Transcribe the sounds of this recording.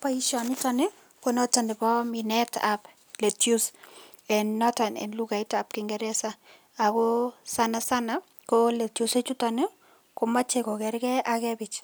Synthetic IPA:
pa˦i˦ʃɔ˨nitɔ˦ne˦ | ko˦nɔ˦ta˨ne˨bɔ˦minɛ˦ta̰p | le˨tju˦s | ɛ˨nːɔ˦ta˨nɛ̰˨nlu˦ɡa˨ɪtap̚kɪŋɡɛɾɛ˦sa˦ | a˨ko˦sanasa˦na | kole˨tjo˨se˦t͡ʃu˦tɔne˦ | ko˨ma˦t͡ʃe˨kɔ˨kɛ˨ɾɡɛ˦akɛbɪ˨t͡ʃ

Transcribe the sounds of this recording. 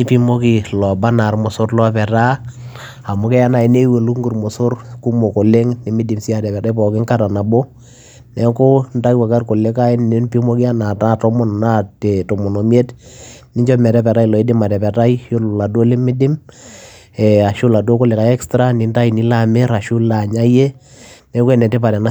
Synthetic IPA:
ni˦pi˦mo˦ki˨lɔ˨ba˦na˨rmʊ˨sʊ˦rlɔ˦pɛ˨ɾa˦ | a˨mʊ˦kɛ˦ja˦na˨i˨ne˦we˨lu˦ŋɡu˨rmʊ˨sʊ˦rku˦mo˨ko˨le˦ŋni˨mɪ˦dɪ˨msi˦a˨tɛ˨pɛ˨ɾa˦i˦pɔ˨kɪ˦ŋka˦ɾa˨na˨bo˦ | nɛ˨˦ko˦nda˦i˦wa˨ka˦rko˨le˦ka˦ɪ˦nnɪ˦npi˦mo˦ki˦a˦na˨ta˦tɔ˦mɔ˦n˨na˦te˨to˨mo˨no˨m˦e˦tni˦ɲd͡ʒɔ˦mɛ˨ɾɛ˦pɛ˨ɾa˦i˦˨lɔ˨i˦di˦ma˨tɛ˨pɛ˨ta˦ijo˦lʊ˨la˨do˦le˦mɪ˦dɪ˦m | ɛ˨a˨ʃʊ˦la˨dwo˦ko˦le˨ka˨ɛ˦kstɾa˦ni˨˦nda˦i˨ni˦la˦˨me˦ɾa˨ʃu˦la˨ɲa˦je˦ | nɛ˦ko˦ɛ˨nɛ˨te˦pa˨ɾɛ˨na˦

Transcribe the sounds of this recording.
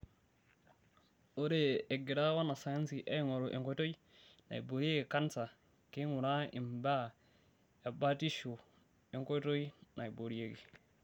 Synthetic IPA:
o˦ɾe˨e˨ɡi˨ɾa˦wa˦na˨sa˨ja˦nsi˨ʔa̰˦ŋo˨ɾo˨ʔḛ˨ŋko˦to˦ji˦ | na̰˨jbo˨ɾi˦e˦ɡi˨ka˦nsa˨ | ke˦ŋu˨na˦i˨mba˦ | ja˨ba˦ti˦ʃu˨ | e˨ŋko˦to˦jna˨jbo˨ɾi˦je˦ɡi˨

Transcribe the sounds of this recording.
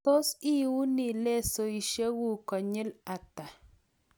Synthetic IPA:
to˦si˦wu˦nɪ˨le˦so˨i˨ʃe˦wu˦kɔ˨ɲɪ˦la˨t̪a˨

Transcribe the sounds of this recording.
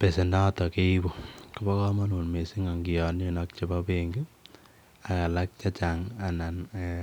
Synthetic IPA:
pe˨se˨nda˦tɔ˨ke˦i˦bo˨kɔ˨bɔ˦kɔ˦ma˦nu˨nme˨si˦ŋa˨ŋɡi˨jɔ˨ne˦nɔ˦k̚t͡ʃe˦pa˦peŋɡu˦ | a˨ka˨la˦k̚t͡ʃa˦t͡ʃaŋa˨na˨n

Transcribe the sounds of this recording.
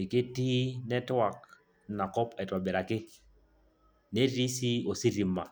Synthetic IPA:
ɪ˨kɪ˦ti˦nɛ˦ta˨k | na˨kɔ˦pɛ˨twa˨bɛ˨ɾa˨kɪ˦ | ne˦ɾi˦si˦o˨si˦ɾi˨ma˨

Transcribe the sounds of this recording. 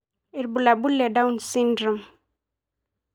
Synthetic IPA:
i˨ɾbu˨la˨bu˦lːe˨da˦wnsi˦ndɾə˨m

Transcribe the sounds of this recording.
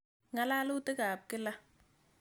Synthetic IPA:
ŋa˦la˦lu˦te˦ka˨p̚kɪ˦la˦

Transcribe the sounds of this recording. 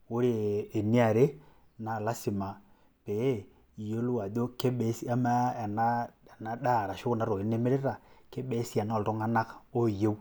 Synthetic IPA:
o˦ɾeː˨ni˦a˨ɾe˦ | na˨la˦si˨ma˨ | pe˨e˦ | i˨jo˦lu˦a˨do˦ke˦ɓɛ˦si˦a˦ma˦˨na˦˨na˨ɗa˦˨ɾa˨ʃo˦na˨˦ɾo˨e˨˦ne˦me˦ɾe˦ɾa˨ke˦ɓɛ˦si˦a˨na˦˨lto˦ŋa˦na˦ko˦˨je˦w

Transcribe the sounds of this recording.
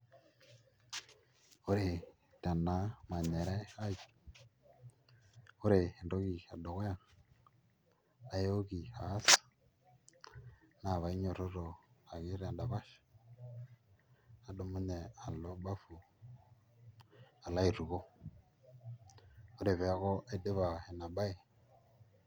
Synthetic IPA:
o˦ɾe˨ | ta˨na˦ma˨nɛ˨ɾɛ˦a˦i˦˨ | o˦ɾe˨ndo˦ɣi˨a̰˨do˨ɣo˦ja˨ | a˨jo˦ɣi˨aː˨˦sa˨ | na˨βa˨i˦ɲo˨ɾo˦ɾo˨a˨ɣe˦ɾe˨a˨nda˨βa˦ʃ | a˨do˨˦mo˦nɛ˨a˨lo˦ba˦fu˨ | a˨la˦i˨ɾu˨ɣo˦ | o˦ɾe˨βe˨˦ɣo˦ʔe˦de˦βa˨e˨na˨ba˦e˨

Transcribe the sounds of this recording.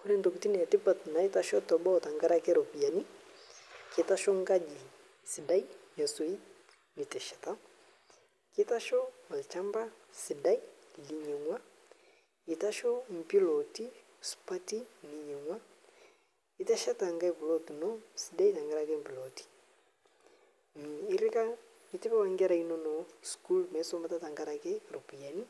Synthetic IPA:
ku˦nɛ˦nto˨ku˨ti˦nɛ˨a˨ti˦pa˨tna˨i˦ta˦ʃɔ˦tɔ˨bɔ˦˨ta˨ŋɡa˦ɾa˦kɛ˦ɾɔ˨pi˨ja˨ni˦ | ki˨˦ta˦ʃɔ˦ŋɡa˦d͡ʒi˨ | si˨da˦i˦ɲa˨so˨i˦ | ni˨tɛ˨ʃɛ̥˨ta˦ | ki˦ta˦ʃɔ˦ma˨lt͡ʃa˦mba˦si˨da˦i˦li˨ɲɛ˨ŋwa˦ | i˨ta˦ʃɔ˦m̩˨pi˦lo˨ti˦ | spa˦ti˦ni˨ɲɛ˨ŋwa˦ | i˦tɛ˦ʃɛ˦ta˨ŋɡa˦jpu˨lo˦tnɔ˦si˨da˦jta˨ŋɡa˦ɾa˨kɛ˦m̩˨pi˨lo˨ti̥˦ | m˨i˦ɾɪ˦ka˦ | i˦tɪ˦bɛ˦wa˨ŋɡɛ˦ɾa˨ino˦nɔ˨sku˦lmɛ˦sɔ˦mba˦ta˦ta˨ŋɡa˦ɾa˨kɛ˦ɾo˨pi˨a˨ni˦

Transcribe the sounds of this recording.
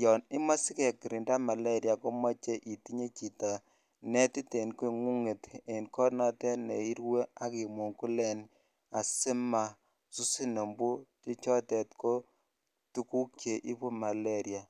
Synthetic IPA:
jɔ˨ni˦ma˦sɪ˦kɛ˨kːi˨ɾi˨nda˦ma˨la˦ɾja˨ko˦ma˦t͡ʃe˦ʔi˨ti˦ɲe˦t͡ʃi˨ta˨ | nɛ˦ti˦te˨nke˨ŋu˦ŋe˨te˨nkɔ˦na˦tɛ˦nḛ˨i˦ɾwe˦a˦ki˨mo˨ŋku˦lɛ˦n | a˨sɪ˦ma˨ | su˦si˦no˨mbu˦ti˦t͡ʃɔ˦tɛ˨tko˦ | tu˦ku˦kt͡ʃe˨ʔi˦pu˦ma˨le˦ɾja˨

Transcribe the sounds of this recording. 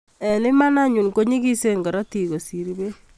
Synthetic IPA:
ɛ˨nɪ˦ma˦na˦ɲu˨nko˦ɲi˦ki˦se˦nka˨ɾa˦ti˨ko˨si˨ɾi˦be˦

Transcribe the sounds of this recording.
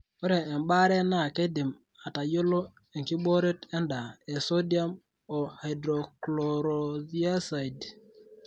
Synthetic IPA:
o˦ɾeː˨mba˦ɾe˦na˦˨ke˦di˨m | a˨ta˨jo˦lo˦ | e˨ŋ˨ki˦bo˦ɾe˦te˦nda˨e˨so˦di˦a˦m | o˨ha˨jdɾo˨klo˨ɾo˨ði˦a˦sa˨i˨d

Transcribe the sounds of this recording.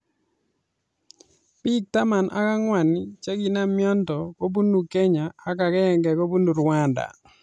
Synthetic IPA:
pi˦k̚ta˦ma˨nʔa̰˦ka˦ŋwa˨nɪ˦t͡ʃe˦ɡi˨na˦mjɔ˦ntɔ˨ko˦bu˦nu˨kɛ˦ɲaː˨ka˨kɛ˦˨ŋɡɛ˨ko˦bu˦nu˨ɾwa˦nda̰˨

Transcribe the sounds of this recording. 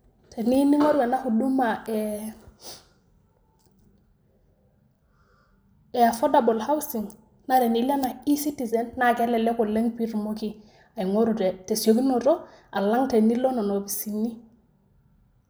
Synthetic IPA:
tʰe˨ni˦ni˦ŋo˦ɾu˦a˨na˦xu˨du˦mae | ea˨fo˦dabo˨lha˦wsiŋ | naɾe˨ni˨la˦na˨i˦si˦tizenːa˦ke˦le˨le˦ko˨le˦ŋpi˦tu˨moki˦ | a˨i˨ŋoɾute˨te˨sio˦ki˦no˨to˦ | a˨la˦ŋte˨ni˦lo˦no˨no˨bi˨sinːi˦

